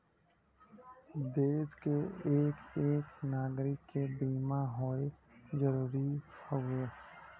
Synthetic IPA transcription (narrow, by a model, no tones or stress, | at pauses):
d̪eːskeeːkeːknaːɡɾɪkːebiːmaɦoezəɾuːɾipʰəeː